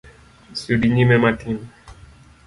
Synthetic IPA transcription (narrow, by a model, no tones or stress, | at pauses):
sudiɲimɛmatim